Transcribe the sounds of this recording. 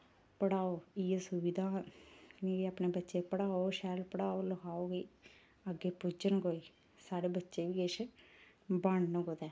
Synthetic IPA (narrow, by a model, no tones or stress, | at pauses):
pəɽaːoːiːesʊʋid̪aːnĩːapneːbətːʃeːpəɽaːoːʃɛːlpəɽaːoːləkaːoːɡeː | əɡːeːpʊd͡ʒənɡoːiː | saːɽeːbətːʃeːʋiːeʃ | baɳnəɡoːd̪ɛː